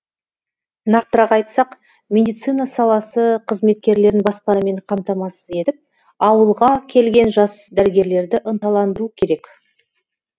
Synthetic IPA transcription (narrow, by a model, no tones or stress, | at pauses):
nɑqt̪əɾɑqɑjt̪sɑq | mʲe̞d̪ijt̪sɨjnɑsɑlˠɑsəqʰəzme̞t̪̚kʲe̞ɾle̞ɾɪnbɑspɑnɑme̞ɴqʰɑmt̪ɑmɑsəze̞t̪ɪp̚ | ɑwəlˠʁɑkʲʰe̞lɡʲe̞nʒɑsd̪æɾɪɡʲe̞ɾle̞ɾd̪ɪʔənt̪ɑlˠɑnd̪ɾuəkʲʰe̞ɾe̞k